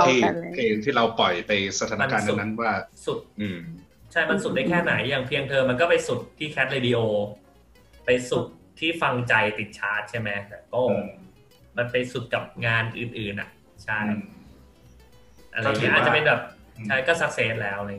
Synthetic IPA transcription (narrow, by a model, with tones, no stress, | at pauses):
iː˥˩kʰeː˧ŋt̪ʰiː˥˩ɾa˧wpɔ˨˩jpa˧jsa˧t̪ʰaː˨˦nama˧n˥kaː˧nːu˨˩˧na˦˥nwaː˥˩su˨˩t̪̚ʔɯː˧˩ | t͡ɕʰa˥˩jma˧nsu˨˩t̪̚da˥˩jkʰɛː˥˩na˩˦jːaː˨˩ŋpʰi˧əŋt̪ʰɤː˧mːa˧nkɔː˥˩pa˧jsu˨˩t̪ʰːiː˥˩kʰɛ˦˥t̪̚ɾeː˧di˧ʔoː˧ | pa˧jsu˨˩t̚t̪ʰːiː˥˩fa˧ŋt͡ɕa˧jt̪i˨˩t̪̚t͡ɕʰaː˦˥t̪̚t͡ɕʰa˥˩jmɛ˦˥t̪ɛː˨˩kɔː˥˩ | ma˧npa˧jsu˨˩t̪̚ka˨˩p̚ŋaː˧nʔɯː˨˩nʔɯː˨˩nʔa̰˨˩ʔ | t͡ɕʰa˥˩j | ʔa̰˧ɾa˧˩ji˥ʔaː˩t͡ɕa˩pe˧nbɛː˨˩p̚t͡ɕʰa˥˩jkɔː˥˩sa˦˥seː˦˥t̪̚lɛː˦˥wʔa˨ɾ